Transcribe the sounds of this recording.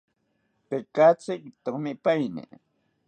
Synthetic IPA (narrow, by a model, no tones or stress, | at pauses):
pekat͡sɪkt̪oχmɪpajnɪ̰